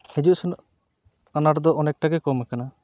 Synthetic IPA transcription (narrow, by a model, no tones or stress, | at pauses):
hɛd͡ʒuʔsun | anaɽd̪ɔʔɔnɛk̚ʈaɡɛkɔmɛkana